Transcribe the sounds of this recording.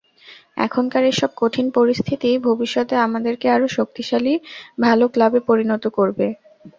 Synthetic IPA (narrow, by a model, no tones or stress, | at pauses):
ɛ̰kʰonkaɾeʃɔb̚koʈʰinpoɾist̪ʰit̪ibʱobiʃːɔt̪eamad̪eɾkeaɾoʃok̚t̪iʃalibʱaloklabepoɾinɔt̪okoɾbe